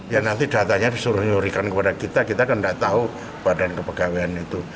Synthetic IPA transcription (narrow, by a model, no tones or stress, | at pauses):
jaŋnant̪id̥a̤t̪aɲadisuɾʊhɲuɾikankəpadakit̪akit̪akəndaʔt̪au | b̥adankəpəɡ̥aweanit̪u